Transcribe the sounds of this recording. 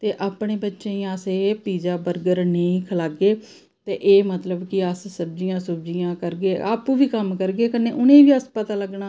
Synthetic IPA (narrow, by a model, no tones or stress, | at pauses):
t̪eːʔaːpɳeːbətːʃẽːĩəseːpiːd͡ʒaːbəɾɡəɾnəĩːkʰəlaːɡeː | t̪eːʔeːmət̪ləbkɪəssəbd͡ʒijãːsʊbd͡ʒijãːkəɾɡeːa̰ːpũːʋiːkəmkəɾɡeːkənːeːʔʊnẽːʋiːəspət̪aːləɡnaː